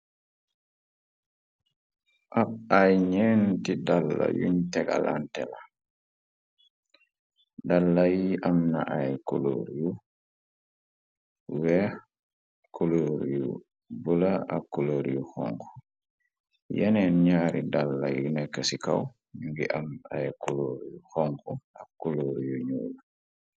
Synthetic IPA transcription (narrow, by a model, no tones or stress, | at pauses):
ʔaajɲɛːntidalːa̰jṵɲtɛɡa̰la̰ntɛla | dalːajiʔamnaʔajkolo̰ɾiju | wɛ | kʰuloɾjṵ | bulaakːuloɾjuxɔ̰ŋku̥ | jɛnɛnɲaɾidalːajunɛkːəsikaw | ŋɡiʔamajkuloɾjuxɔŋkuakːuloɾjuɲuːla